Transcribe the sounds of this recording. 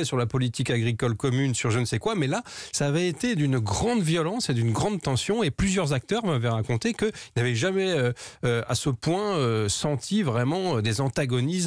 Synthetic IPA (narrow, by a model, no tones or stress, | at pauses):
ɛsyʁlapɔlit̪ikaɡʁikɔlkɔmynsyʁʒənsɛkwamɛlasaːvɛet̪ed̪ynɡʁɑ̃d̪vjɔlɑ̃sed̪ynɡʁɑ̃d̪t̪ɑ̃sjɔ̃eplyzjœʁzak̚t̪œʁumavɛʁakɔ̃t̪ekəilnavɛʒamɛøøa̰səpwɛ̃øsɑ̃t̪ʰivʁɛmɑ̃ød̪ezɑ̃t̪aɡɔnis